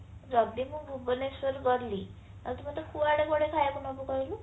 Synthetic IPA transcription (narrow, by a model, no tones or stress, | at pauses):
ɾɔbimũɡʱubɔnesɔɾɡɔɾli | at̪umat̪ekʰubaɽeɡɔɽekʰajakunɔbukɔiɾu